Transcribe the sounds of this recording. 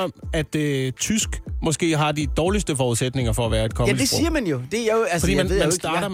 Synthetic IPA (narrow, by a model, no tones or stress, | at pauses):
ɒmæd̥t͡sʰysɡ̥mɒ̽sɡ̥e̝̰ːɦɑ̈d̥id̥ɒːlisd̥əfɒːuðˠsed̥ne̝ŋɐfɒ̽æʋæːɐe̝d̥̚kʰɒ̽esiːɐmænjo̝d̥e̝jaæsfd̥ḭmænmæssdd̥ɑ̈ːɾɐ